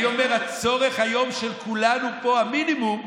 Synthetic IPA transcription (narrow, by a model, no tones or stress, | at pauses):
omeʁat͡so̞ʁe̞χhajo̞mʃelkulanupo̞aminimum